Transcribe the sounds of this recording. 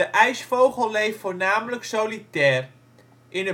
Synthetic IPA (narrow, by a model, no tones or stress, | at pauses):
əʔɛjsfowχəlˠlejffoːɹnaːmələksowlitɛːr | ʔɪnə